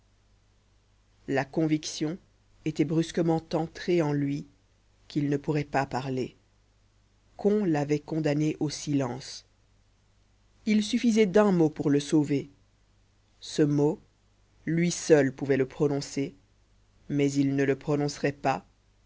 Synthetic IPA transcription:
lakɔ̃viksjɔ̃ | et̪ɛbʁyskəmɑ̃t̪ɑ̃t̪χeɑ̃lɥi | kilnəpuʁɛpapaʁle | kɔ̃lavɛkɔ̃d̪aneʔosilɑ̃s | ilsyfizɛd̪ɛ̃mopuʁləsove | səmo | lɥisœlpuvɛləpχɔnɔ̃se | mɛzilnələpχɔnɔ̃sʁɛpa

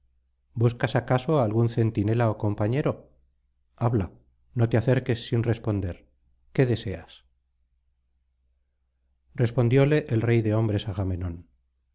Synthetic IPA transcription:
buskasakasoaːlɣunθe̞nt̪ine̞laoko̞mpaɲeɾo̞ | aβla | no̞t̪eaθe̞ɾke̞sːinre̞spo̞nd̪eɾ | ke̞ðe̞se̞as | re̞spo̞nd̪jo̞le̞ʔelrejðe̞o̞mbɾe̞saɣame̞nõ̞n

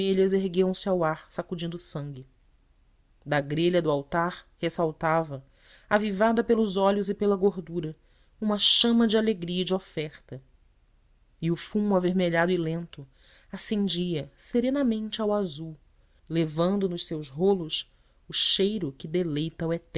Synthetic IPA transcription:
eʎɐzeɦɡiɐ̃w̃sɪawaɾsakud͡ʒĩnd̪ʊsɐ̃ŋɡʲɪ | d̪ɐɡɾeʎɐd̪ʊawt̪aɾhesawt̪avɐ | avivad̪ɐpelʊzɔʎʊzɪpelɐɡoɾd̪uɾɐ | ũmɐʃɐ̃mɐd͡ʒɪaleɡɾiɐd͡ʒɪofɛχt̪ɐ | ɪʊfumʊaveɾmeʎad̪ʊɪlẽnt̪ʊ | asẽnd͡ʒiɐseɾẽnɐmẽnt͡ʃɪawazuw | levɐ̃nd̪ʊnʊʃsewzɦolʊs | ʊʃejɾʊkɪd̪elejt̪ɐwɛt̪ɛ

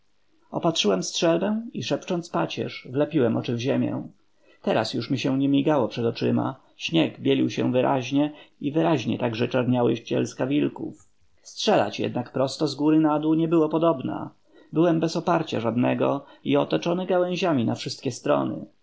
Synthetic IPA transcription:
ɔpatʂɘwɛmstʂɛlbɛw̃iʂɛpt͡ʂɔnt̪spat͡ɕɛ̰ʂvlɛpʲiwɛmʔɔt͡ʂɘvʑemʲjɛ̰̃ | t̪ɛɾasjuʂmʲiɕɛ̃ɲɛmʲiɡawɔpʂɛd̪ɔt͡ʂɘma̰ | ɕɲɛɡbʲjɛlʲiwɕɛ̰w̃vɘɾʔa̰ʑɲɛivɘɾaʑɲɛt̪aɡʐɛt͡ʂaɾɲawɛɕt͡ɕɛ̰lskavʲilkṵf | stʂɛla̰t͡ɕjɛ̰d̪nakpɾɔst̪ɔzɡuɾɘnad̪uɲɛbɘwɔpɔd̪ɔbna̰ | bɘwɛmbɛsɔpaɾt͡ɕa̰ʐad̪nɛɡɔ̰iɔt̪ɔt͡ʂɔnɘɡawɛ̃ʑamʲinafʂɘst̪̚kʲɛst̪ɾɔ̰nɘ̰

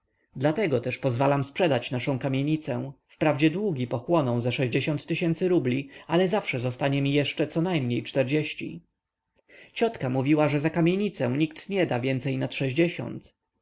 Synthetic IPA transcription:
d̪lat̪ɛɡɔt̪ɛʂpɔzvalamspʂɛd̪at͡ɕnaʂɔ̃kamʲjeɲit̪sɛw̃fpɾavd͡ʑɛd̪wuɡʲipɔxwɔnɔ̃w̃zaʂɛʑd͡ʑeɕɔnt̪ːɘɕɛnt̪sɘɾublʲialɛzafʂɛzɔst̪aɲɛmʲijɛʂt͡ʂɛt̪sɔnajmɲejt͡ʂt̪ɛɾd͡ʑeɕt͡ɕḭ | t͡ɕɔt̪kamuvʲiwaʐɛzakamʲjeɲit̪sɛw̃ɲikt̪ɲɛd̪avʲjɛnt̪sɛjnat̪ʂɛʑd͡ʑeɕɔ̰̃nt̪

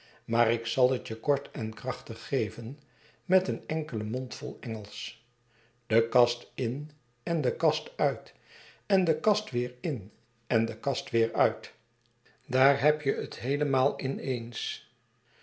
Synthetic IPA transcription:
maːɾɪksɑlˠətjəkɔɹtʰɛnkrɑχtəχːejvən | mɛtənɛŋkələmɔntfɔ̰lˠɛŋəlˠs | d̥əkɑstɪn | ɛndəkɑstœɥt | ɛndəkɑstʋɪːɹɪn | ɛndəkɑstʋɪːɹœɥt | daːɹɦɛpjəətɦejləmaːlˠɪnejns

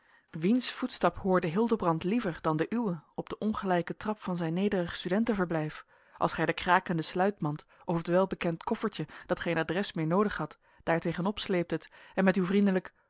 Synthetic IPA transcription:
ʋinsfutstɑpɦoːɹdəɦɪlˠdəbrɑntlivəɹdɑndəʔywəɔb̚d̥əʔɔnχəlɛjkətrɑpfɑnzɛjnːejdərəχstydɛntəvəɹblɛjf | ʔɑlˠsχɛjdəkraːkəndəslœɥtmɑnt | ʔɔffətʋɛlˠbəkɛntkɔfəɹtəd̥ɑtχejnadrɛsmɪːɹnowdəχɦɑt | d̥aːɹtejχənɔpslejp̚tətɛnmɛtywvrindələk

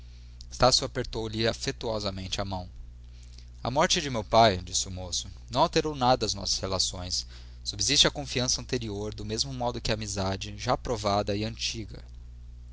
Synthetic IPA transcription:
ɪst̪asjʊapeɾt̪owʎɪafet̪uɔzɐmẽnt͡ʃɪɐmɐ̃w̃ | ɐ̰mɔɾt͡ʃɪd͡ʒɪmewpajd͡ʒisɪʊmosʊnɐ̃w̃awt̪eɾownad̪ɐːznɔ̰sɐ̥shelasõj̃sː | ubizist͡ʃɪɐkõfiɐ̃sɐɐ̃t̪eɾioɾd̪ʊmezmʊmɔd̪ʊkɪɐːmizad͡ʒɪʒapɾovad̪ɐɪɐ̃nt͡ʃiɡɐ̰

